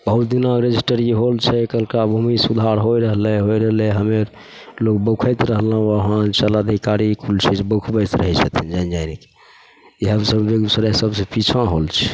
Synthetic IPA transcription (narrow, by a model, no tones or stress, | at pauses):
bəɦut̪̚d̪inaɾed͡ʒisʈəɾeɦolt͡ʃʰɛkəlkabʱumisud̪ʱaɾɦojɾəɦlɛɦojɾəɦlɛ̃ɦəmeɾ | lokbəkʰəjt̪ɾəɦlə̃əɦãt͡ʃələd̪ʱikaɾikʰult͡ʃʰɛd͡ʒebəkʰbəjt̪ɾəɦɛt͡ʃʰət̪ʰind͡ʒand͡ʒajnike̥ | iɦəmsəbbeɡsəɾasəbsepit͡ʃʰãɦolt͡ʃʰɛ̥